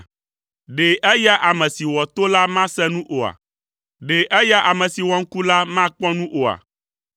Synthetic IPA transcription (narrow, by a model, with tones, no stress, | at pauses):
ɖe˨ʔɛ˦ja˦ʔa˨mɛ̃˨si˨wɔ˨t̪o˦la˦mã˦sɛ̃˦nũ˦ʔo˨a̰˨ | ɖe˨ʔɛ˦ja˦ʔa˨mɛ̃˨si˨wɔ˨ŋ̩˦ku˦la˦mã˦k͡pɔ̃˦nũ˦ʔo˨a̰˨